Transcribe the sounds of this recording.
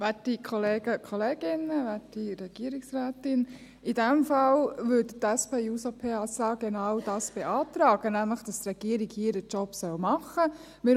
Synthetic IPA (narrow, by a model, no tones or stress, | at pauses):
ʋætikʰɔleːɡəkʰχɔleːɡ̥ɪnəʋætiɾɛɡ̥iəɾiksɾæːtɪn | idɛmfɑlʋʏdtæspeːuːsopʰeːɑsɑːɡ̥enɑwd̥ɑːsb̥eʔɑːt̪ɾɑːɡ̥ənæmləχd̥ɑst̪ɾɛɡ̥iəɾiɡhiːədət͡ʃɔpsœlmɑχə | mɪ